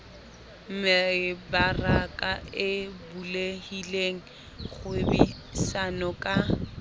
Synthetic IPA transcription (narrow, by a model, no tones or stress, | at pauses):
m̩mɪɪbarakʼaɪbulehileŋ̩ | χʊbi | sanɔkʼa